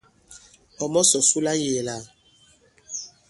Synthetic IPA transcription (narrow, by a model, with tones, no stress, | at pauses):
ɔ˨mɔ˦sɔ˨su˦la˦je˨la˦˨